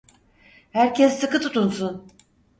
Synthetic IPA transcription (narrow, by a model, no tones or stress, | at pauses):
hæɾcʰɛsːɯkɯt̪ʰut̪unsun